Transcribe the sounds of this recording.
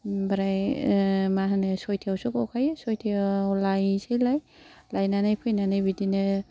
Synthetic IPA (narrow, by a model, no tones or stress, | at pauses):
baɾaj | maɦanɯsɔjtʰiawsukawkʰajsojtʰialajsejlaj | lajnanajpʰɯjnanajbidinɯ